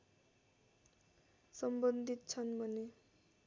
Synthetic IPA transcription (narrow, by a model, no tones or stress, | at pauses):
sʌmbʌnd̪ʱit̪t͡sʰʌnbʱʌne